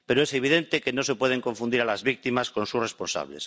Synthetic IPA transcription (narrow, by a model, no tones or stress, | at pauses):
peɾoeseβ̞iðent̪ekenosepweð̞eŋkoɱfund̪iɾalazβik̚t̪imasko̞nsusrespõ̞nsa̰βlḛs